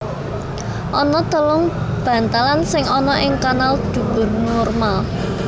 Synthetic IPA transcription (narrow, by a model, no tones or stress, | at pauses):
ʔɔnɔt̪əlʊŋb̥ä̤nt̪alansɪŋɔnɔʔɪŋkanald̪̥ṳb̥ʊ̤rnɔrmal